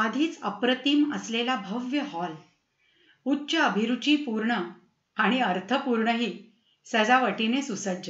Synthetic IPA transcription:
əd̪ʱiːt͡səpɾət̪iːməslelabʱəʋjəɦɔl | utːɕəəbʱiɾut͡ɕiːpuɾɳə | aɽ̃iəɾt̪ʰəpuɾɳəɦiː | səd͡zaʋəʈinesusədə

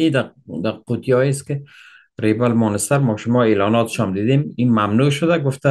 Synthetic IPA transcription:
id̪ad̪aqut̪jɒeskɪ | ɾebalmɔnɪsaɾmɒʃʊmɒːeːlɒːnɒːt̪ʰɪ̥ʃɒmd̪iːd̪emimamnuːʃʊd̪aɡʊft̪a

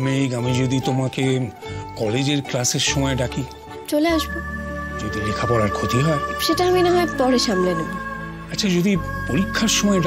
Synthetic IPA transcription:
mejɡamid͡ʑod̪it̪omake | kɔled͡ʑeɾklaseɾʃɔmɔeɖaki | t͡ɕoleaʃbod͡ʒod̪ilekʰapɔɾaɾkʰot̪iɦɔeʃeʈaaminaɦɔepɔɾeʃamlenebo | atːʃʰad͡ʑod̪i | poɾikʰːaɾʃɔmɔeɖ

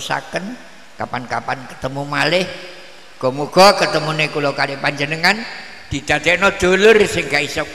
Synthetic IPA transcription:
sa̰kən | kapankapankə̥t̪əmumalɪh | ɡ̥ɔ̤muɡ̥ɔ̤kət̪əmunekulokalipaɲd͡ʒənəŋan | d̪̥i̤d̪̥a̤d̪̥ɛʔnɔd̪̥o̤lʊrsɪŋkaisɔk̚

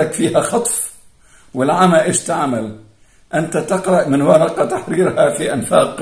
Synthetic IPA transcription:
akfiːhaxɑt̪ˤf | wɪlʕamaʔɪʃt̪aʕmal | ʔɪnt̪at̪ɑqɾˤɑʔmɪnwaɾˤɑqɑt̪aħɾiːɾhafiʔanfaːq

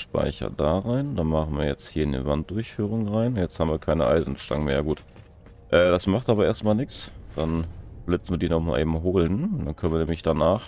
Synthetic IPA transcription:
ʃpa̰ɪçɐ̰daːʁaɪnd̥aːmaχn̩viːɐjɛt͡sthiːɐɪndḭvant̚d̥ʊɐçfyːʁ̞ʊŋʁaɪnjɛt͡sthaːbm̩viːɐkʰaɪnəʔa̰ɪzn̩ʃta̰ŋəmeːɐɡuːt | ʔɛːdasmaχtʔaːbɐʔeːɐstmaːlnɪkt͡sd̥anb̥lɪt͡sn̩viːədiːnɔχma̰ːlʔḛːbm̩ɦoːlənd̥ankʰœnviɐnɛːmlɪçd̥anaːχ

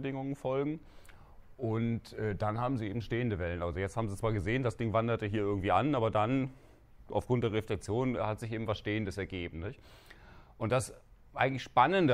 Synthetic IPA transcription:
ədɪŋʊŋənfɔlɡŋ̩ | ʔʊntʔɛːd̥anhaːbm̩ziːeːbm̩ʃteːəndəvɛlənʔalzojɛt͡sthaːbm̩zit͡sv̥aːɐɡəzeːəndasd̥ɪŋvandɐtəɦiːɐʔɪɐɡŋ̩tv̥iːʔanaːbɐdan | ʔa̰ʊfɡ̥ʁʊnt̚d̥eːɐʁeflɛk̚t͡sjoːnhatz̥ɪçʔeːbm̩vasʃteːəndəsɛɐɡeːbm̩nɪçt | ʔʊnt̚d̥as | ʔaɪɡŋ̩tlɪçʃpanəndə

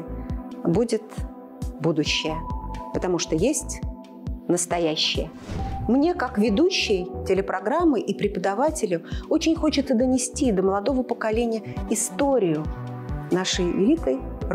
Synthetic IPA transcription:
budʲɪt̪ | bud̪ʊɕːɪjəpət̪ɐmuʂt̪ojesʲtʲ | nəst̪ɐjæɕːɪ̰jə | mnʲe̞kakvʲɪd̪uɕːɪjtʲɪlʲɪpɾɐɡɾamːɨʔipɾʲɪpəd̪ɐvatʲɪlʲʊot͡ɕɪnʲxo̞t͡ɕɪt̪səd̪ənʲɪsʲtʲid̪əməlˠɐd̪o̞vəpəkɐlʲenʲɪjəɪst̪o̞ɾʲɪjʊnaʂəjɪ̰lʲik̪əj

